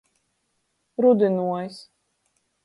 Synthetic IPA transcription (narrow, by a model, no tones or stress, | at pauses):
ɾud̪inuɔjs